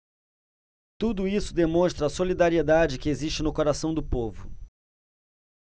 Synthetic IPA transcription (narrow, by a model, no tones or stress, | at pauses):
t̪ud̪ʊisʊd̪emõst̪ɾɐːsolid̪aɾied̪ad͡ʒɪkɪeziʃt͡ʃɪnʊkoɾasɐ̃w̃d̪ʊpovʊ̰